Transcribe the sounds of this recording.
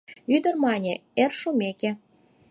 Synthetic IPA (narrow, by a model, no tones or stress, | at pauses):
yd̪ə̆rmɑnʲeerʃumʲeke